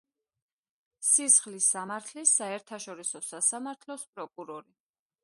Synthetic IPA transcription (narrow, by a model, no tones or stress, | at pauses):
sisχlisamaɾt̪ʰlisaɛɾt̪ʰaʃɔɾisɔsasamaɾt̪ʰlɔspʼɾɔkʼuɾɔɾi